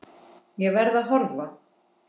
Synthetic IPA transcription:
jɛvɛɾðaðɦɔɾva

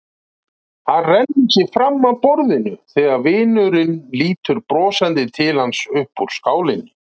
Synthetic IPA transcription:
θarɛnːicɪfɾamːaðpɔɾðɪnʏθɛːɣaɾvɪːnʏɾɪnliːt̪ʏɾpɾɔːsant̪ɪt̪ʰɪlhansʏhpuɾ̥skaːwlɪnʏ

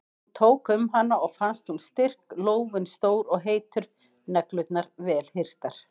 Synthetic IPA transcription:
ut̪ʰoːwkʏmɦanːaɔɣfanst̪hunst̪ɪr̥kloːwvʏnst̪oːwɾɔɣɦeːjt̪ʏɾ | nɛklʏt̪naɾvɛːlhɪr̥t̪aɾ̥

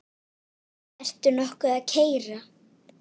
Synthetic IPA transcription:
ɛr̥t̪ʏɾnɔhkʏaðcʰeːjɾa

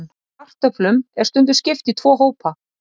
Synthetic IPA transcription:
ar̥t̪œplʏmɛɾ̥st̪ʏnt̪ʏ̥scɪft̪it̪ʰv̥ɔːɦoːwpa

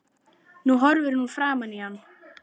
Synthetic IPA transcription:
nuɦɔɾvʏɾnufɾaːmanihanː

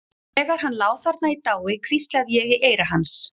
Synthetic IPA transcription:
ɛːɣaɾ̥ɦanːlaːwθaɾt̪nait̪aːwɪkʰv̥ist̪laðjɛɣiʔeːjɾaɦans

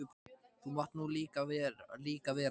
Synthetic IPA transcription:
ʏpθumɔht̪nuːliːkavɛːɾliːkavɛːɾ

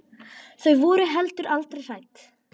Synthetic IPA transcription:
θœɥvɔːɾʏɦɛlt̪ʏɾalt̪ɾejsajt̪

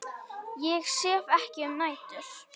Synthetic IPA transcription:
jɛɣsɛːvɛhcɪœmnaːjt̪ʏɾ̥

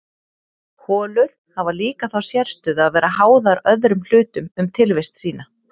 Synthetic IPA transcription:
hʰɔːlʏɾ̥havaliːkaθawsjɛɾ̥st̪ʏːðaðvɛːɾaɦaːwðaɾœðɾʏml̥ʏːt̪ʏmʏmt̪ʰɪlvɪst̪siːn̪a

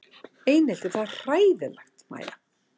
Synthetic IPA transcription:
eːjnɛl̥t̪ɪ̥θað̥r̥aːjðɪlaxt̪ma̰ːjða

